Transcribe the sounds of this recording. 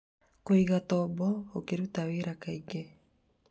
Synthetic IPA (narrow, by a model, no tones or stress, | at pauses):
koiɣat̪ɔbɔːkeɾut̪awiɾakaiɡe